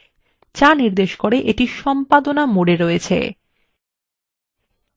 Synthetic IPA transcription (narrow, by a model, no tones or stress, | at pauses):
t͡ɕaniɾd̪eʃkoɾeʔeʈiʃɔmpad̪onamoɽeɾoet͡ɕʰḛ